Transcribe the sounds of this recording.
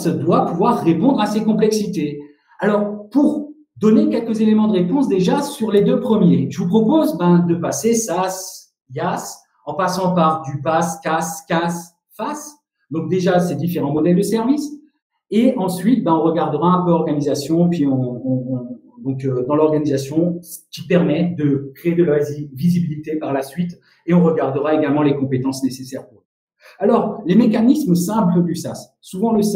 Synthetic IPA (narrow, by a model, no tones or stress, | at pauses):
sd̪wapuvwaʁːepɔ̃d̪ʁasekɔ̃plɛksit̪e | alɔʁpuʁ | d̪ɔnekʲɛlkəzelemɑ̃d̪əʁepɔ̃sd̪eʒasyʁled̪øpχəmjeʒ̥əvupχɔpozbɛ̃d̪əpasesas | jas | ɑ̃pasɑ̃paʁd̪ypaskaskas | fas | d̪ɔ̃k̚d̪eʒased̪ifeʁɑ̃mɔd̪ɛld̪əsɛʁvis | eʔɑ̃sɥit̪̚baɔ̃ʁəɡaʁd̪əʁaɛ̃pøɔʁɡanizasjɔ̃epɥiɔ̃ | d̪ɔ̃kød̪ɑ̃lɔʁɡanizasjɔ̃kʲipɛʁmɛd̪əkχeed̪əlavizibilit̪epaʁlasɥit̪ | eɔ̃ʁəɡaʁd̪əʁaeɡalmɑ̃lekɔ̃pet̪ɑ̃snesesɛʁpuʁ | alɔʁlemekanismsɛ̃pləd̪ysasːuvɑ̃ləs